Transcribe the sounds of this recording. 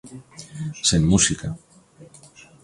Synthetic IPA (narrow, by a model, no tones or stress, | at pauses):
senmusika